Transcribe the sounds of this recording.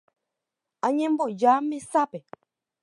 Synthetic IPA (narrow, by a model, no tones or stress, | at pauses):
aɲɛ̃m̩bɔd͡ʒaːmesapɛ